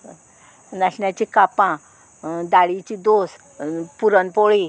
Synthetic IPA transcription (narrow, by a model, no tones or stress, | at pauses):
naɕɳjat͡ɕikapã | d̪aɽit͡ɕid̪os | puɾənpoɭi